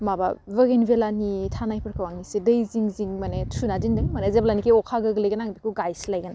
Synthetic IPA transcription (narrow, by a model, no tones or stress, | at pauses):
mabavɐɡenbelanitʰanajpʰɯɾkʰawaŋnisedɯjziŋziŋmanetʰunadindɯŋmanezeblanikeɔkʰaɡɯɡlɐjɡɐnaŋbikʰuɡajslajɡana